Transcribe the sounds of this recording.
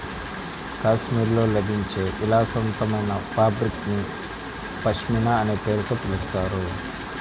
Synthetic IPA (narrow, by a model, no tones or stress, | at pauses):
kaːsmiːɾlo̞ːlɐbʱiɲt͡ʃe̞ːʔilaːsɐnt̪ɐmɐjnɐpʰaːbɾikni | pɐʂminaɐne̞ːpe̞ːɾut̪oːpilust̪aːɾu